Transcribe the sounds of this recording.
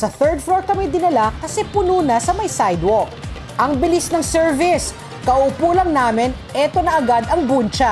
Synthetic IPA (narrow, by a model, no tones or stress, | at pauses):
sɐθɛɹd̪̚floɹkɐmɪjd̪ɪnɐlakɐsɛpʊnuːnɐsɐmɐjsajd̪wok | ʔɐŋbɪlɪsnɐŋsɛɹvɪs | kɐʔupuːlɐŋnaːmɪnʔɛt̪o̞nɐʔɐɡad̪ɐŋbunt͡ʃɐ